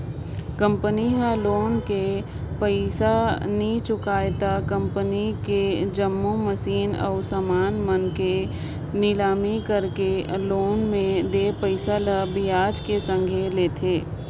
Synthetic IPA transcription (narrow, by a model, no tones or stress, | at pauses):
kə̃mpəniɦə̃loːnke | pəɪsanit͡ʃʊkaːjet̪akə̃mpəniked͡ʒəmːuməsiːnɔ̰ːʊsamaːnmənke | nɪlaːmikəɾkeloːnmẽd̪eːpəɪsaləbijaːd͡ʒkesə̃ŋɡʱeleːt̪ʰeː